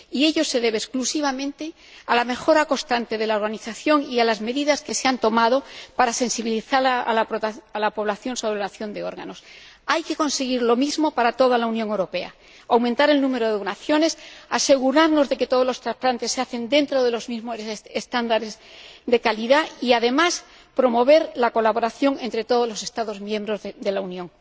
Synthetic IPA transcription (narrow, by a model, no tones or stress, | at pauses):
ie̞ʎo̞se̞ðe̞β̞eːsklusiβamẽ̞nt̪e̞ | alame̞xo̞ɾako̞st̪ant̪e̞ð̞e̞laoɾɣaniθaθjo̞ŋialazme̞ðiðaske̞seant̪o̞maðo̞paɾase̞nsiβiliθaɾaoalapo̞β̞laθjo̞nso̞βɾelanaθjo̞nd̪e̞o̞ɾɣa̰no̞s | ajke̞ko̞nse̞ɣiɾlo̞mizmo̞paɾat̪o̞ðalaunjoŋewɾo̞pe̞a̰ | awmẽnt̪aɾe̞lnũme̞ɾo̞ðunaθjo̞ne̞sase̞ɣ̞uɾaɾno̞zðe̞ke̞t̪oðlo̞st̪ɾaplant̪e̞sːeaθe̞nd̪e̞nt̪ɾo̞ðe̞lo̞zmizmoest̪and̪aɾe̞z | ðe̞kaliðaiaðe̞mas | pɾo̞mo̞βe̞ɾlako̞laβo̞ɾaθjo̞ŋe̞nt̪ɾe̞t̪o̞ð̞o̞zlo̞se̞st̪aðo̞zmjẽ̞mbɾo̞zd̪e̞launjõŋ